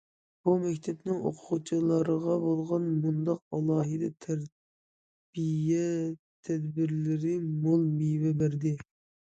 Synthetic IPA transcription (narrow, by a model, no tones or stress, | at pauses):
b̥umɛkʲt̪ʰɛpnɪŋo̰qʰʊʁut͡ʃʰilˠɑɾəʁɑbolˠʁɑnmund̪ɑq̚ɑlˠɑːɦɨd̪ɛt̪ʰɛɾ | bijɛ | t̪ʰɛd̪bɪɾlɪɾɪmolˠmijwɛbæɾd̪ɪ